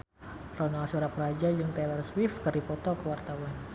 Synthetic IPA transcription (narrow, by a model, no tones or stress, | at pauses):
rɔnalsuɾapəɾad͡ʒad͡ʒɨŋt̪elarswɪfkərdipɔt̪ɔkəwart̪awan